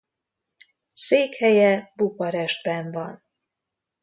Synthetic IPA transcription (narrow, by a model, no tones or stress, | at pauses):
seːkhɛjɛbukɒɾɛʒd̪bɛɱvɒn